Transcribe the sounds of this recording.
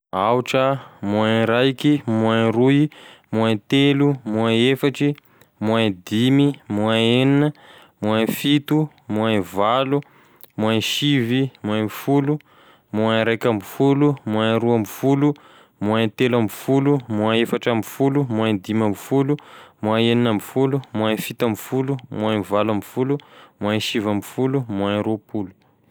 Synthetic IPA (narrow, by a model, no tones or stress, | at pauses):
awuʈ͡ʂəmuanɾajkimuanɾujmuant̪elumuaefaʈ͡ʂi | muad̪imimuaeninə | muanfit̪u | muanvalu | muaʃivimuabfulu | muaɾajkambifulumuaɾuambifulu | muat̪elambifulumuaefaʈ͡ʂambfulumuad̪imambufulumuaeninambifulumuanfit̪ambifulumuanvalambifulumuaʃivambifulumuaɾupulu̥